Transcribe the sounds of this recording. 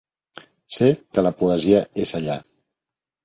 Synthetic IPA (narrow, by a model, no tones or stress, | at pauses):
sekələpuəziəezəʎa